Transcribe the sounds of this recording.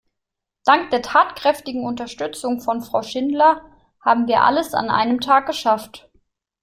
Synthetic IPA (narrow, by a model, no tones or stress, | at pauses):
d̥aŋk̚d̥eːɐtʰaːtkʁ̥ɛftɪɡŋ̩ʊntɐʃtʏt͡sʊŋfɔnfʁ̥aʊʃɪndlɐ | haːbm̩viːɐʔa̰ləsa̰nʔa̰ɪnəmtʰaːk̚ɡ̥əʃaft